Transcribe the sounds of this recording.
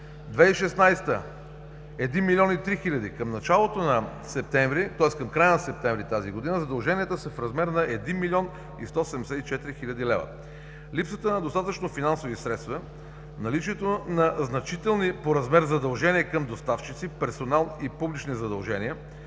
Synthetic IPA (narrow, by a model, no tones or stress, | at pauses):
d̪vɛiʃɛsnajst̪ə | ɛd̪inmilʲiɔnit̪ɾixilʲɐd̪ikəmnɐt͡ʃalˠot̪onɐ | sɛp̚t̪ɛɱvɾit̪ɔɛskəmkɾajənɐsɛp̚t̪ɛɱvɾit̪aziɡod̪inəzɐd̪ɐlˠʒɛniət̪əsəfɾɐzmɛɾnɐʔɛd̪inmilʲiɔn | ḭst̪ɔsɛd̪ɛmɛsɛt̪it͡ʃɛt̪iɾixilʲɐd̪ilɛvə̰ | lipsət̪ənɐd̪ost̪at̪ət͡ʃnofinansovisɾɛt̪st̪vɐ | nɐlit͡ʃiɛt̪onɐznɐt͡ʃit̪ɛlˠnipoɾɐzmɛɾzɐd̪ɐlˠʒɛniəkəmd̪ost̪aft͡ʃit̪sipɛɾsonalˠnipublit͡ʃnizɐd̪ɐlˠʒɛniə